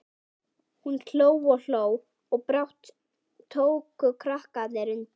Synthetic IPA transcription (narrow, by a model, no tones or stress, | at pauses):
hunkʰl̥oːwɔl̥oːw | ɔɣpɾawht̪ʰː | oːwkʏkʰɾahkat̪nɛɾʏn